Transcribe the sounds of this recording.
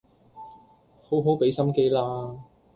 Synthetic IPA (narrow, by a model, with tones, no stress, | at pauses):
ho˨˥wɦo˨˥wpe˨˥jsɐ˥mke˥jlaː˧